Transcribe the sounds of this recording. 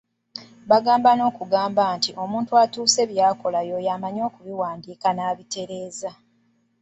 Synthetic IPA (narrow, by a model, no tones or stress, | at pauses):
βaɡaːmbano̞ːkuɡaːmbaːntiʔo̞mũːntuatuːse̞ːβjaːko̞lajo̞jaːmaɲo̞ːkuβiwaːndiːkanaːβite̞ɾe̞ːza